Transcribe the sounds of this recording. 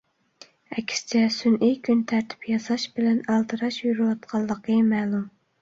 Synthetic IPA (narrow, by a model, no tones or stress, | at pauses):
ɛkʲʰst͡ʃʰɛsunʔijkʲʰynt̪ʰæɾt̪ʰɪ̥pʰjɑsɑʃbɪlɛnɑlˠt̪ʰɨɾɑʃjyɾɨwɑt̪̚qʰɑlˠːəqəmæːlˠum